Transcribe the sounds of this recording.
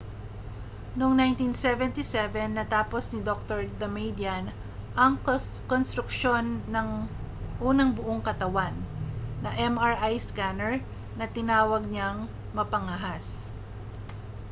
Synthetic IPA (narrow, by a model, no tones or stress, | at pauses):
noŋnajnt̪insɛvɛnt̪isɛvɛnːɐt̪aːposnɪd̪ok̚t̪oɹd̪ɐmejd̪ian | ʔɐŋkonst̪ɾʊkʃo̞nːɐŋ | ʔuːnɐŋbʊʔoŋkɐt̪ɐwanːɐʔɛmɐɹʔajskanɛɹ | nɐt̪ɪnaːwɐɡ̚ɲaŋ | mɐpɐŋɐɦas